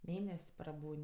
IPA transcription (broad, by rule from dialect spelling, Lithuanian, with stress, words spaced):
ˈmʲeːnʲɛsʲ prɐˈbuːnʲ